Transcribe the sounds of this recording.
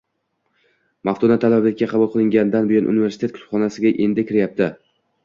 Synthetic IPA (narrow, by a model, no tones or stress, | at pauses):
maft̪ʰonat̪ʰalablɪk̚ʲːaqʰɑbulˠqʰɨlˠɪŋɡʲand̪anbɪjɒnʔṵnɪve̞ɾst̪ʰet̪kʰʊ̥t̪χɒnasɪɡʲaʔe̞nd̪ɪkʲʰɪɾɪjap̚t̪ʰɪ